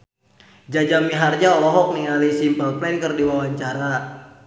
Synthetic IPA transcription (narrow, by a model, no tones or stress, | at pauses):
d͡ʒad͡ʒamiɦarɲaɔlɔɦɔk̚niŋalisimpəlplɛnkərdiwawaɲt͡ʃaɾa